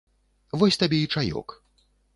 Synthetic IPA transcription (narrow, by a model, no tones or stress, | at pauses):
vɔsʲt̪abʲɛit͡ʂajɔ̰k